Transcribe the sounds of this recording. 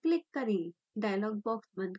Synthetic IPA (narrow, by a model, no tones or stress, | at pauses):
klɪkːəɾĩ | ɖajlɔɡ̚bɔksməd̪